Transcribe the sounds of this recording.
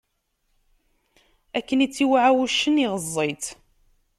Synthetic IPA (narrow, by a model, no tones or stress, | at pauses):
ækːənit͡sːiwaʕawuʃːəniʁəzˤːet̪